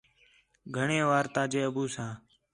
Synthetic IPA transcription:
ɡʱəɳẽːʋaːɾt̪aːd͡ʒeːəbuːsãː

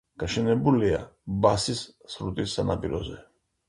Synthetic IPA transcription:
kaʃɛnɛbulia̰basissɾut̪ʼisanapiɾʔɔzɛ

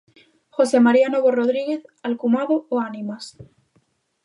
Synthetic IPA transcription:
xosemaɾianoβoroð̞ɾiɣeθalkumaðooanimas

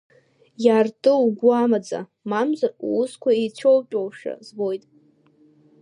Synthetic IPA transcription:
jaːrtʼɨuɡʷʊamad͡za̰ | mamzaruʊskʷʰaet͡ʃʷʰowpʲʼowʂa̰zbo̞jtʼ

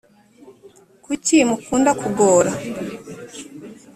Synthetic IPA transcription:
kucimukʰuːndakʰuɡoːɾa

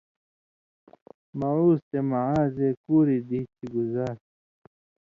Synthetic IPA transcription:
mɐuːzt̪emɐaːzeːkuːɾid̪iːt̪ʰiɡuzaːɾ

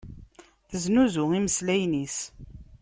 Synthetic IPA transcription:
θəznuzʊiməslæjnis

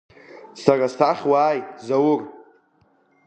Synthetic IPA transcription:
sarastʰaχʲwaːjzawʊr

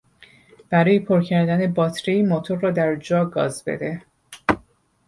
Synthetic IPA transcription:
b̥æɾɒːjepʰoɾcʰæɾd̪æne̞bɒːt̪ʰɾeiːmot̪ʰoɾːɒːd̪æɾd͡ʒɒːɡɒ̰ːzbḛd̪e

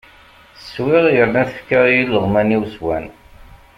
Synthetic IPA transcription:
swɪʁjəɾnæθə̥fkːaʁjilːəʁmæniwswæ̰n

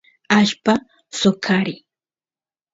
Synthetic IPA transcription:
aʃpa | sokʰaɾɪ

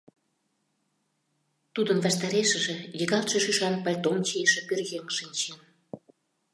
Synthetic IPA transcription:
t̪ud̪ənvæʃt̪æɾeʃə̆ʒĕjəɣɑlt̪ʃĕʃyʃɑnpɑlʲt̪omt͡ɕieʃĕpørɣeŋʃinʲt͡ɕen

